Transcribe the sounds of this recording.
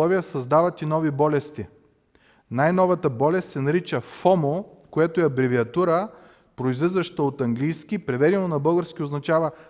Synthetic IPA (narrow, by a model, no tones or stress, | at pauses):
ɔviəsɐzd̪avɐt̪inɔvibɔlɛst̪i | najnɔvɐt̪əbɔlɛst̪sɛnɐɾit͡ʃəfɔmo | koɛt̪oɛɐbɾɛviɐt̪uɾə | pɾoizlizvəʃt̪əot̪ɐŋɡlijsk̟ipɾɛvɛɾʲɛnonɐbɤlˠɡəɾsk̟ʲioznɐt͡ʃavə